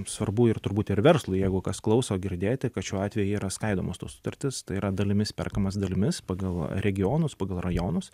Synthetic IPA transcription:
sʋɐrbuːɪrt̪ʊɾbuːt̪ɪɾʋʲɛɾrslˠʊjɛɪɡʊkɐsklˠɐʊsoːɡʲɪɾʲd̪ʲeːt̪ʲɪkɐt̪ʃʲuːɑːt̪ʲʋʲɛjʊiːɾɐskɐɪd̪oːmoːst̪ṵoːsʊ̥t̪ɐrʲt̪ʲɪst̪ɐɪiːɾɐd̪ɐlʲɪmʲɪspʲɛ̰rkɐmɐs̬d̪ɐlʲɪmʲɪspɑːɡɐlˠɾʲɛɡʲɪjoːnʊspɑːɡɐlˠrɐjoːnʊs

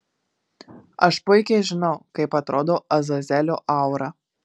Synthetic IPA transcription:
ɐʃpʊɪkʲɛɪʒʲɪnɒʊkɐɪpɐt̪ɾoːd̪oːʔɐzɐzʲɛlʲoːʔɑˑʊɾɐ

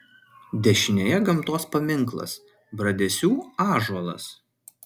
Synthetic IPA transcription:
d̪ʲɛʃʲɪnʲejɛɡɐmˑt̪oːspɐmʲɪŋˑklˠɐ̰s | bɾɐd̪ʲɛsʲuːɑːʒuɔlˠɐ̰s

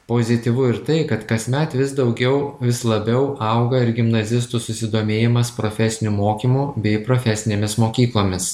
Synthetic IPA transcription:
poːzʲɪt̪ʲiʋʊɪɾt̪ɐɪkɐt̪kɐsʲmʲɛt̪ʋʲɪsd̪ɒʊɡʲɛʊʋʲɪslˠɐbʲɛʊʔɐʊɡɐɪɾɡʲɪmnɐzʲɪst̪usʊsʲɪd̪oːmʲeːjɪmɐspɾoːfʲɛsʲɪnʲumoːkʲiːmubʲɛɪpɾoːfʲɛsʲɪnʲeːmʲɪsmoːkʲiːklˠoːmʲɪs

